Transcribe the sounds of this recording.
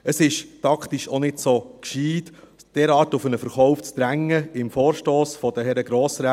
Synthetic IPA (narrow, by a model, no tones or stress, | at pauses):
əsɪʃtɑkχtiʃonɪdsokʃiːd | d̥ɛɾɑːtʊfənəfəɾχɔʊft͡sd̪̥ɾæŋːəɪmfoːɾʃtoːsfɔd̥̪əɦɛɾəɡɾoːsɾa